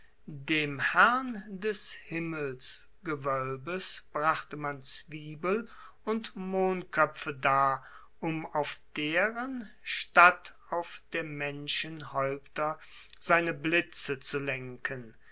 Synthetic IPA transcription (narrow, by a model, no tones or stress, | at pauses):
deːmhæʁndɛshɪməls | ɡ̥əvœlbəsb̥ʁaχtəmant͡sv̥iːbəl | ʊntmoːnkʰœpp͡fədaː | ʔʊmaʊfd̥eːʁənʃtat | aʊfd̥eːɐmɛnʃənhɔʏptɐz̥aɪnəblɪt͡sət͡sulɛŋkʰən